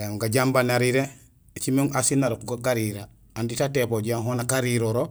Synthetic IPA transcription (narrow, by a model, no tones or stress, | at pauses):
eŋɡaɟambanaɾiɾe | t͡ʃimeŋʔasinaɾokuɡaɡaɾiɾa | anditatepoɟaŋɦonakaɾiɾoɾo